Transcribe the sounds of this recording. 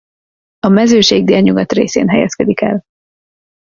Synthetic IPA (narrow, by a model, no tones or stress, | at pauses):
ɒmɛzøːʃeːɡ̚d̪eːlɲuɡɒt̪rḛːsḛːnɦɛjɛ̰skɛd̪ikɛ̰l